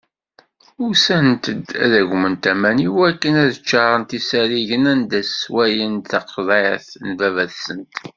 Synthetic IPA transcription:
ʊsænt̪əd̪æðæʝmənt̪æmæniwækːənæðət͡ʃːɑɾˤənt̪isæɾiʝənænd̪æswæjənθɑqʰðˤɑθnvævæðsənt̪

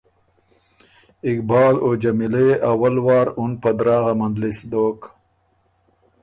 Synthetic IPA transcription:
ɪkbɑːlod͡ʒamileawalwɑːɾunpad̪ɾɑːɣamand̪lisd̪oːk

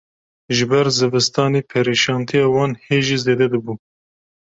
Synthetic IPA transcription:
ʒɨbɛɾzɨvɨst̪ɑːneːpʰɛɾiʃɑːnt̪ʰijɑːwɑːnheːʒiːzeːd̪ɛd̪ɨbuː

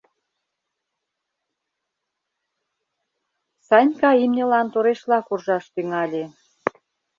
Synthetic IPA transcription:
sɑnʲkɑimnʲə̆lɑnt̪oɾeʃlɑkurʒɑʃt̪yŋɑlʲe

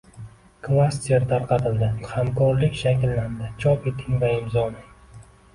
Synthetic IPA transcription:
kʰvast̪ieɾt̪ʰaɾqʰɑt̪ʰɪld̪ɪhamkʰɒɾlɪkʲʃakʲlːand̪ɪt͡ʃʰɒpe̞t̪ʰɪŋvaɪmzɒnɪŋ

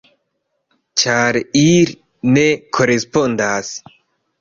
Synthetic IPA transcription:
t͡ʃaɾeiɾ | nekʰɔɾespɔnd̪as

